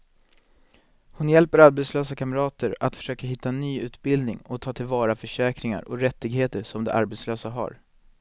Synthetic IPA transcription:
hʊnjɛlpəɾaɾbɛt̪sløːsakʰaməɾɑːt̪əɾat̪fœ̥ʂøːkaɦɪt̪ːaɛnyːʉ̟ːt̪bɪld̪nɪŋɔt̪ʰɑːt̪ʰɪlvɑːɾafœʂɛːkɾɪŋa̰ɾɔɾɛt̪ːɪɡɦeːt̪əʂɔmd̪ɛ̰ʔa̰ɾbɛt̪sløːsaɦa̰ɾ

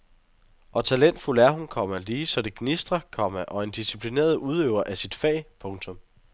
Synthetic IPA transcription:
ʔɒ̽t͡sʰælen̰d̥fulæɐɦunkʰɒ̽m̰ɐliːsɒ̽d̥e̝ɡ̥nisd̥ʁɐkʰɒ̽m̰əʔɒ̽e̝nd̥isipʰline̝̰ːɐð̞ˠuð̞ˠøʊɐʔæsid̥fɛ̰ːpʰɔ̽ŋt͡sʰɔ̽m

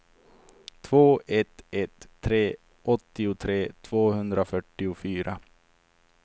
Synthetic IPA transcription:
t̪ʰvoːɛt̪ɛt̪ʰːɾeː | ʔɔt̪ːɪʊt̪ʰɾeːt̪ʰv̥oːhɵnd̪ɾafœʈːɪʊfyːɾʔa

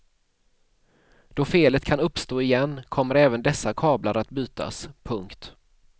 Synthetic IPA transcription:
d̪̥ɔfeːlət̪kʰanɵpːst̪oːɪjɛnːkʰɔmːəɾɛːvənd̪ɛsːakʰɑːblaɾat̪byːt̪a̰spʰɵŋkt̪

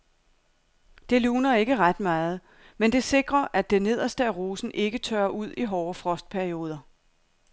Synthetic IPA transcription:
d̥e̝luːnɐe̝ɡ̥əʁad̥mɑ̈ːð̞̩ˠ | mend̥e̝se̝ɡ̥ʁɐʔæd̥ene̝ð̞̰ˠɐsd̥əæʁo̝ːsn̩ʔe̝ɡ̥ət͡sʰøːɐʔuð̞̰ˠiɦɒːfʁɒ̽sd̥̚pʰæɐio̝ːð̞ˠɐ

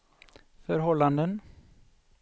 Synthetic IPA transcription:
fœɾɦɔlːand̪ən

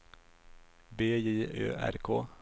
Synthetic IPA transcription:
beːjeːʔø̰ːʔæ̰ɾkʰoː

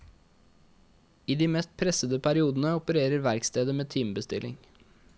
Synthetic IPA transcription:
iːd̪iːmɛːst̪̚pʰɾɛsəd̪əpʰæɾɪuːd̪n̩əɔpəɾeːɾəɾʋæɾkst̪eːd̪əmeːt̪ʰiːmbəst̪ɪlɪ̰ŋ

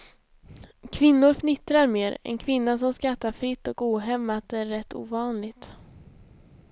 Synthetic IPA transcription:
kʰvɪnːʊɾfnɪt̪ɾaɾmeːɾɛ̰nkʰvɪnːasɔmskat̪ːaɾfɾɪt̪ːɔkuːɦɛmːat̪̚d̪ɛæɾːɛt̪ːṵːvɑːnlɪɡt̪

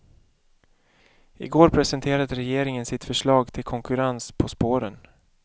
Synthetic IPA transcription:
ɪ̰ɡoːɾpʰɾɛsənt̪ʰeːɾad̪əɾɛjeːɾɪŋənsɪt̪fœʂɭɑːɡt̪ʰɪlkʰɔŋkɵɾanspʰɔspoːɾən

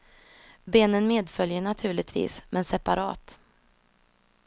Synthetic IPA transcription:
beːnənmeːd̪fœljəɳat̪ʰʉ̟ːɭɪt̪ʰvḭːsmʔɛnsɛpa̰ɾʔɑ̰ːt̪

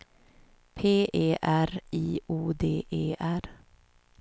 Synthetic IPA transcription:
pʰeːeːʔæɾiːuːd̪eːʔeːʔæɾ

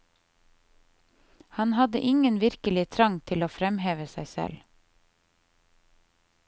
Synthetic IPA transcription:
hɑnhɑd̪ə̰ʔɪŋənʋɪɾkəlɪt̪ʰɾɑŋt̪ʰɪloːfɾɛmheːʋəsæɪsɛ̰l

